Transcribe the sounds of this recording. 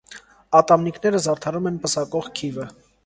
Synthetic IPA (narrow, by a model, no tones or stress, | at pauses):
ɑt̪ɑmnikʰnɛɾəzɑɾt̪ʰɑɾumɛnpəsɑkɔʁkʰivə